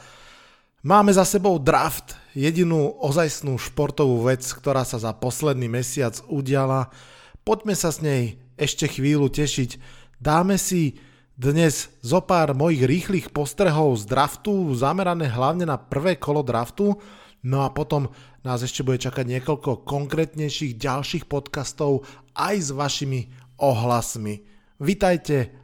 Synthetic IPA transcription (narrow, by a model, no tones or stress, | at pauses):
maːmɛzasɛbɔʊd̪ɾaft̪jɛɟinuːʔɔzajsnuːʃpɔɾt̪ɔʋuːʋɛt͡skt̪ɔɾaːsazapɔslɛd̪niːmɛsɪad͡zuɟɪala | pɔɟmɛsazɲɛjɛʃcɛxʋiːlucɛʃicd̪aːmɛsi | d̪ɲɛzzɔpaːɾmɔjiːɣɾiːxliːxpɔst̪ɾɛɦɔʊzd̪ɾaft̪uzamɛɾanɛːɦlaʊɲɛnapr̩ʋɛːkɔlɔd̪ɾaft̪u | nɔapɔt̪ɔm | naːzɛʃcɛbuɟɛt͡ʃakaɟɲɪɛkɔʎkɔkɔŋkɾɛːt̪ɲɛjʃiːɣɟalʃiːxpɔt̪kast̪ɔʊ | ʔajzʋaʃimi | ɔɦlasmi | ʋit̪ajcɛ